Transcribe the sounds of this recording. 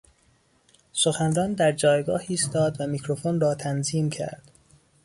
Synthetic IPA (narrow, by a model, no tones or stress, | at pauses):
soxænrɒːnd̪æɾd͡ʒɒːjɡɒːhiːst̪ɒːd̪væmicʰɾofonrɒːt̪ʰænziːmcʰæ̰ɾd̪̥